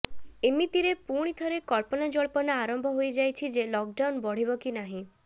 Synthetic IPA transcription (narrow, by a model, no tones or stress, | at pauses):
emit̪iɾepuɽ̃it̪ʰɔɾekɔɭpɔnad͡ʒɔɭpɔnaaɾɔmbʱɔɦojd͡ʒajt͡ʃʰid͡ʒelɔk̚ɖawnbɔɽ̤ibɔkinaɦĩ